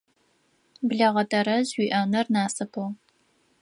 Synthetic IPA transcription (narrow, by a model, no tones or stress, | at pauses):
bɮɐʁɐdʰɐɾɐzwiːʔɐnɐrnaːsɐpʰow